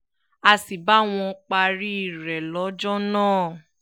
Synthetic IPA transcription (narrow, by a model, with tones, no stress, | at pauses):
a˧si˨ba˨˦w̃ɔ̃˧k͡pa˧ɾi˦i˦˨ɾɛ˨lɔ˨˦d͡ʒɔ˦nãː˦˨